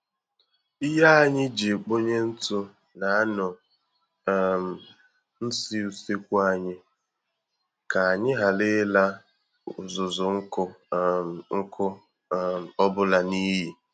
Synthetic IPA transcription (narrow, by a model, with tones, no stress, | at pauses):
i˦ɦa˦a˨ɲɪ˦d͡ʒe˨k͡po˦ɲe˦n̩˦tʊ˦ | na˨a˦nʊ˨ | m˨ | n̩˦si˦u˨se˦kʷu˦a˨ɲɪ˦ | ka˨a˨ɲɪ˦ɦa˨lɪ˦la˦˨ | zʊ˨zʊ˨ŋ̩˦ʊ˦ | ŋ̩˦kʰʊ˦ | m˨ɔ˦bʊ˦la˨ni˦ɦi˨